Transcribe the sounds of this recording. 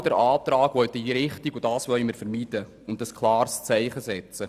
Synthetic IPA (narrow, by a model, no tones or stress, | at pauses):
d̥əɾɑːt̪ɾɑːɡʋɔɥt̪iɾɪχtiɡʊd̥ɑːsʋœʏmɪɾfəɾmiːd̥ə | ʊntəskʰlɑːrst͡sɛɪχəsɛt͡sə